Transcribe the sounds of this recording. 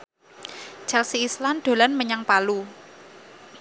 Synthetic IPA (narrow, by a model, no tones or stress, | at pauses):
t͡ʃɛlsiːsland̪̥o̤lanməɲaŋpalu